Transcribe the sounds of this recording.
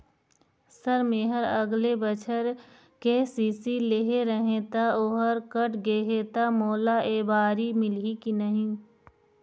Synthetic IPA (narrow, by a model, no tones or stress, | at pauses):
səɾmeːɦəɾɐɡlebət͡ʃʰəɾ | kesiːsileɦeɾəɦẽt̪aoːɦəɾkəʈʰɡeːɦet̪amoːlaʔeːbaːɾimɪlikinəɦĩː